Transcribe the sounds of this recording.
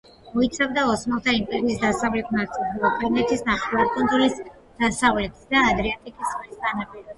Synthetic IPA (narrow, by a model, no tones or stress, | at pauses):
mɔit̪sʰavd̪aɔsmɔlˠt̪ʰaimpʼɛɾiːsd̪asavlɛt̪ʰnat̪sʼilˠakʼanɛt̪ʰisnaχilaɾkʼɔnzulis | d̪̥asavlɛt̪ʰi̥sd̪aːd̪ɾɛat̪ʼikʼismist̪ʼanapʼiɾ